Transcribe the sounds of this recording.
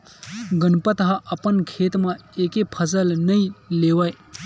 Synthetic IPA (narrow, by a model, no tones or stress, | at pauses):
ɡənpət̪ɦãʔəpənkʰeːt̪mãeːkepʰəsəlnəĩleːʋaj